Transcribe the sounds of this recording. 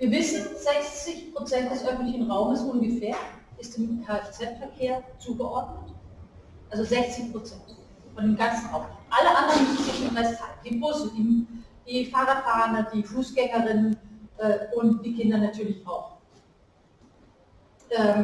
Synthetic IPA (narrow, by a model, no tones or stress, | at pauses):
viːɐvɪsn̩z̥ɛçt͡sɪçpʁ̥ot͡sɛnt̚d̥ɛsʔœfn̩tlɪçnʁaʊməsʔʊnɡəfeːɐʔɪstɪmkʰat͡sɛtfɛɐkʰeːɐt͡suːɡəʔɔɐdnət | ʔalzozɛçt͡sɪçpʁ̥ot͡sɛnt | fɔndeːmɡant͡sn̩ʁaʊmʔaləʔandəʁənɪʃnmʁɛstʰaːlnd̥iːbʊsədiːd̥iːfaːʁatfaːnɐd̥iːfuːsɡ̥ɛŋɐʁɪnənʔɛːʊnt̚d̥iːkɪndɐnatʰyːɐlɪçaʊx | ʔɛːm